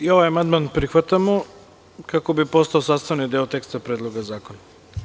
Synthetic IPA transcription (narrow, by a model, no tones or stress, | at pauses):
io̞ʋajamand̪manpɾixʋat̪amo | kako̞bipost̪aosaːst̪aʋnid̪eot̪e̞kst̪apɾeːd̪lˠo̞ɡazaːkona